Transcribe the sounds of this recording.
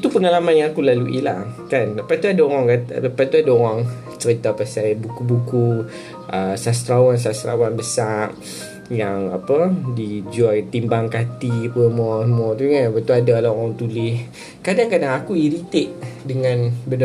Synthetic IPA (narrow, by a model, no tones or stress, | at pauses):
it̪upəŋalamanjãakulaluʔḭlakanapat̪uadaoɾaŋkat̪pat̪uadaoɾaŋ | t͡ʃəɾit̪apasajbukubuku | ʔəsast̪ɾawans̬ast̪ɾa̰wanbəsaʔ | jaŋapədid͡ʒuat̪imbaŋkat̪iapəmuɔsmɔt̪uŋaapat̪uadalaoɾaŋt̪ulɪh | kadaŋkadaŋakuiɾit̪ɪʔdəŋãnbəd